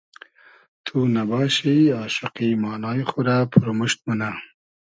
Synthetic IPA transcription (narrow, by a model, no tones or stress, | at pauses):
t̪ʰunabɑːʃiɑːʃʊqimɑːnɑːjxuɾapʰuɾomuʃt̪̚muna